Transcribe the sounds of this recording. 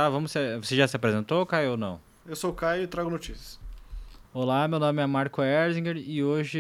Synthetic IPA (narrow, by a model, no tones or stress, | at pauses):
t̪avɐ̃mʊsvoseʒasɪapɾezẽnt̪okajownɐ̰̃w̃ | ewsokajɪt̪ɾaɡʊnot͡ʃisiɐ̥s | olamewnõmɪɛmaɾkʊɛɾzĩŋɡeɾɪoʒɪ